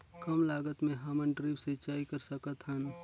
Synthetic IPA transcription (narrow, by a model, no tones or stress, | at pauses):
kəmlaːɡət̪mẽɦamənʈɾibset͡ʃaːikəɾsəkət̪ɦən